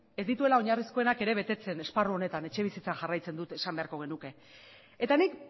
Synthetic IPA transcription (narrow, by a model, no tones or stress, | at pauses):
e̞zd̪it̪ue̞lao̞ɲarisko̞e̞nake̞ɾe̞β̞e̞t̪e̞t͡se̞ne̞sparuo̞ne̞t̪ane̞t͡ʃe̞β̞isit͡saʝarajt͡se̞nd̪ut̪e̞sambe̞aɾko̞ɣ̞e̞nuke̞ | et̪anik